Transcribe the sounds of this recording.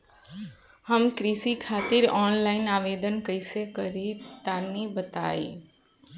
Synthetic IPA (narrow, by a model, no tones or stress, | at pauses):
həmkɾisikʰaːt̪iɾɔːnlainaʋed̪ənkəjsekəɾit̪anibət̪a̰ḭ